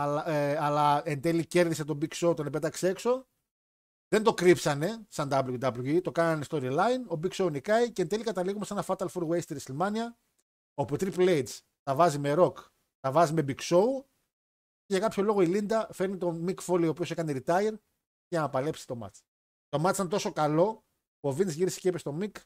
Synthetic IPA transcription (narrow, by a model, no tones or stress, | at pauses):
ɐlɐlɐend̪e̞lice̞ɾðise̞t̪o̞biksout̪onepet̪ɐksee̞kso̞ | ðend̪o̞kɾipsɐne̞sɐnd̪ɐblujud̪ɐblujuit̪o̞kɐnɐnest̪o̞ɾilɐjno̞biksounikɐicend̪e̞likɐt̪ɐliɣumesenɐfɐt̪ɐlfoɾwejst̪iɾisilmɐniɐ | o̞put̪ɾiplejd̪s | t̪ɐvɐzime̞ɾo̞k | t̪ɐvɐzime̞bikso̞u | eʝɐkɐpço̞lo̞ɣo̞ilind̪ɐfe̞ɾnit̪o̞mikfo̞lio̞ːpiose̞kɐneɾit̪ɐjɾ | ʝɐnɐpɐle̞psi̥t̪o̞mɐ̰t͡s | t̪o̞mɐsɐnt̪o̞so̞kɐlo̞ | povinsʝiɾese̥cepest̪o̞mik